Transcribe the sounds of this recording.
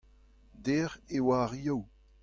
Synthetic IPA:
d̪ɛːʁewaʁiaw

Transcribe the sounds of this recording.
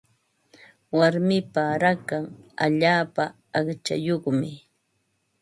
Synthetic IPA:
waɾmɪpaɾakaŋa̰ʎaːpaː | χt͡ʃa̰joχmɪ

